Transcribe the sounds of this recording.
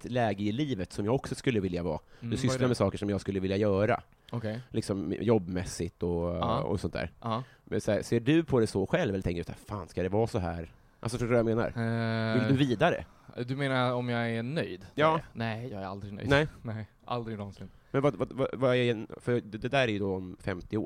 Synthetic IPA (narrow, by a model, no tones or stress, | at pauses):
t̪lɛːɡəɪliːvət̪sɔmjaːɡɔksɔskɵlːəvɪljavɑ̰ːd̪ɵsʏlaɾmɛsɑːkəʂɔmjɑːɡskɵlːəvɪljajœːɾa̰ | ɔkʰɛjlɪksɔmjɔbːmɛsːɪt̪ɔɔ̰sɔnt̪ʰːæ̰ːɾ | mɛ̰sæːseːɖɵpʰɔd̪ɛsɔɧɛlvɛlət̪ɛ̃ŋkəd̪sæ̰ːɾfaːnskad̪ɛvɑːsɔɦæ̰ːɾ | ʔa̰lsɔfœʂtoːɾajameːna̰ɾvɪd̪ɵviːd̪aɾɛ̰ | d̪ɵmeːnaɾɔmjɑɡænœjd̪jɑːnɛjɑːɡæɾa̰ld̪ɾɪɡnœ̰jnɛɪnɛ | ʔa̰ld̪ɾɪɡlɔnsɪ | mɛnvavava̰vaɛɛfœd̪ɛd̪æːɾæɾjʉd̪ɔɔmfɛ̰mt̪ɪo̰ː